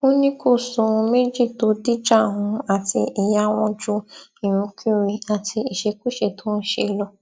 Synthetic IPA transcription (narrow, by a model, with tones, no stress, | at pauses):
o˦nĩ˦ko˦˨sɔ̃˨˧me˦d͡ʒi˦˨to˨˦di˦d͡ʒa˦˨ɦũ˧a˦˨ti˧i˨ja˦w̃ɔ̃˧d͡ʒu˦ĩ˨ñũ˧kʰi˦ɾi˧a˨tʰi˧i˨ʃe˧ku˦ʃe˦˨to˦n̩˦ʃe˦˧˨lɔ˧